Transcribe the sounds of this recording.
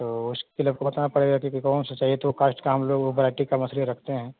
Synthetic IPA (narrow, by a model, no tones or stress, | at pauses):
t̪oːʊskkeləbkobɐt̪anapɐɽeɡakjõkikɔːnsat͡ʃaːɦiet̪ookaːsʈkaɦɐmloːɡobɐɾaːʈikamɐsleɾɐkʰt̪eɦɛ̃ː